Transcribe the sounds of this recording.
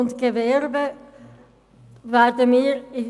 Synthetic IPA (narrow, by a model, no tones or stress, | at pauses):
ʊntɡ̥əvɛʁbə | vaːdəmiːɾɪ